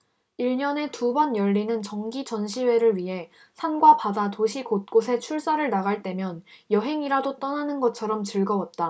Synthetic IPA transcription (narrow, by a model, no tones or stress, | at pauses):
iɭɲʌne̞tubʌnjʌɭːinɯnt͡ɕʌŋɡit͡ɕʌnɕʰiwe̞ɾɯɭɥiɦe̞ | sʰanɡwapadatoɕʰikot̚k͈osʰe̞t͡ɕʰuɭs͈aɾɯɭnaɣaɭt͈e̞mjʌnjʌɦe̞ŋiɾadot͈ʌnanɯnɡʌt͡ɕʰʌɾʌmt͡ɕɯɭɡʌwʌt̚t͈a